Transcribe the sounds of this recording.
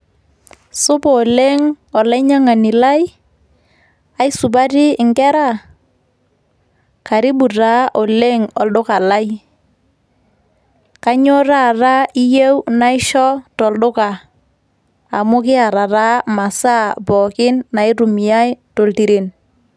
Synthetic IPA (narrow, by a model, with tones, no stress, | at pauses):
sʊ˦bɔ˨le˦ŋ | ɔ˨la˦ɲa˦ŋa˨nɪ˨la˦j | a˨ɪ˦su˨ba˦tɪ˦ɪ˨ŋɡɛ˦ɾa˦˨ | ka˨ɾi˦bu˨ɾa˦ʔɔ˨le˦ŋɔ˨lɗʊ˦ka˨la˦j | ka˦ɲo˦ɾa˦˨ra˦i˦je˦wna˦ɪ˦ʃɔ˦tɔ˨lɗʊ˦ka˨ | a̰˨mʊ˦kɪ˦a˨ɾa˨ɾa˦ma˨sa˦bɔ˨kɪ˦nna˨ɪ˦ɾu˨mi˨a˦jto˨lti˨ɾi˦n